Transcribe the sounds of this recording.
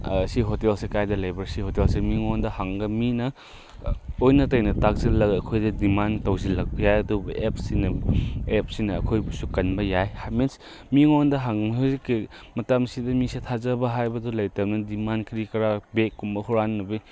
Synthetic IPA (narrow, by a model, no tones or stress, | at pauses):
ɐsiɦotelsekajdɐlɐjbɐsihotelsemiŋondɐhaŋɡɐminɐ | ojnɐtɐjnɐtak̚sɐlɐɡɐkʰojdɐdimantɐwzilɐk̚bɐjajɐdubɐʔep̚sinɐep̚sinɐɐ̰kʰojbusukɐnbɐjajhamens | miŋondɐɦaŋmziki | mɐtamsidɐmisitʰazɐbɐɦajbɐdulɐjtɐmnɐdimankɾikɐɾabekːumbɐhuɾanːɐbi